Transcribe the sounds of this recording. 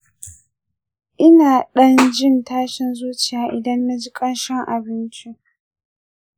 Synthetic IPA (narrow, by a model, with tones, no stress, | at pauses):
ʔɪ˦naː˨ɗɐ˦nd͡ʒɪ˦ntaː˦ʃɪ˨nzuː˦t͡ʃɪ˨jaː˨ʔɪ˨dɐ˦nːa˦d͡ʒi˦kʼɐ˦nʃɪ˦ŋʔa̰˨bɪ˦nt͡ʃi˦